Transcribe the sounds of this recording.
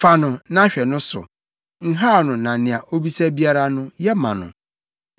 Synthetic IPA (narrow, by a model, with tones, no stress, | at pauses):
fa˦nʊ̃˨nã˦ɕᶣɛ˨nʊ̃˦sʊ̰˨ | ŋ̩˦ɦaː˦˨nʊ̃˨nã˨nɪ̃˨a˨ʔo˦bi˦sɛ˦bi˦a˦ɾa˦nʊ̃˦jɛ˦mã̰˨nʊ̰̃˨